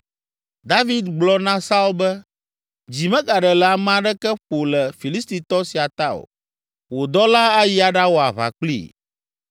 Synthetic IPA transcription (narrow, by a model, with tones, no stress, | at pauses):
d̪a˦vi˦d̪ɡ͡blɔ˦nã˦sa˦wo˦bɛ˦ | d͡ʑi˨mɛ̃˦ɡa˨ɖɛ˨lɛ˨a˨m˦ã˦ɖɛ˦kɛ˦ɸo˨lɛ˨fi˨li˦st̪i˨t̪ɔ˦si˨a˨t̪a˦o̰˨ | wo˨d̪ɔ˦la˦a˦ji˦a˨ɖa˦wo˨a˨βa̰˨k͡plḭ˦˨